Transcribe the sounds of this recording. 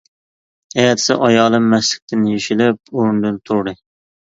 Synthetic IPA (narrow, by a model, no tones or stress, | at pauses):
ɛjɛt̪ʰɪ̥sɪ̰ʔɑjɑːlˠɨmːɛslɪ̥k̚ʲt̪ʰɪnjeʃilɪp̚oɾnd̪ɨnt̪ʰuɾɾɨ